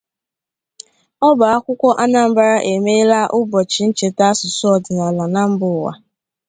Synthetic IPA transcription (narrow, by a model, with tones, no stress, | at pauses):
ɔ˦ba˨a˦kʷʊ˦kʷɔ˦ʔa˦na˦m̩˦ba˦ɾa˦ʔe˨me˦la˦ʔʊ˦bɔ˨t͡ʃɪ˨n̩˦t͡ʃe˨ta˦sʊ˨sʊ˦ɔ˨dɪ˨nɔ˨la˨na˦m̩˦bʊ˨wa̰˨